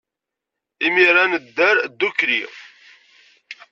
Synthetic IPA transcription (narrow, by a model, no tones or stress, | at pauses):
imiɾanəd̪ːəɾd̪ːukɾḭʁ